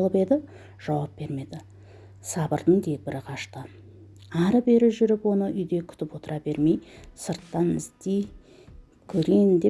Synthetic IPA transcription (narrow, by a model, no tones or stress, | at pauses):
lˠəpe̞d̪ɪ | ʒ̥ɑwɑp̚b̥e̞ɾme̞d̪ɪ | sɑbəɾd̪əŋt̪ʰe̞k̚bɪɾɪqʰɑʃt̪ə | ɑɾəbe̞ɾɪʒʏɾɪpwo̞nəʔʏjd̪e̞kʲʰʏ̥t̪ɪpwo̞t̪əɾʔɑbe̞ɾme̞jsəɾt̪ːɑnɪzt̪ej | kʲʰɵɾejnd̪e̞